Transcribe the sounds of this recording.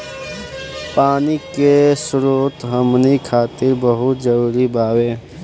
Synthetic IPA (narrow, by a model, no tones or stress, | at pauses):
paːnikesʊɾuːt̪ɦəmnikʰaːt̪ɪɾbəɦʊt̪d͡ʒəɾuːɾibaːweː